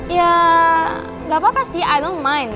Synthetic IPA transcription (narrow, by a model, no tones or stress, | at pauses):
ja | ɡapapasiajdõnmãj̃n